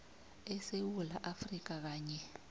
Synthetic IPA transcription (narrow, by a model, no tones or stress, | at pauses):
ɛsewula̰ʔafrik̬ak̬aːɲɛ